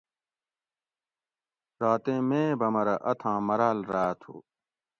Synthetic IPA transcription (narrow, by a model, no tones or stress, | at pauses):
ɾaːt̪ẽːmẽːbɐmɐɾɐʔɐt̪ʰãːmɐɾaːlɾaːt̪ʰo̰ː